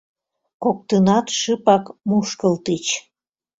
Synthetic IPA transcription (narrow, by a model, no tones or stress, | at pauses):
kok̚t̪ənɑt̪ʃɨpɑkmuʃkəlt̪it͡ɕ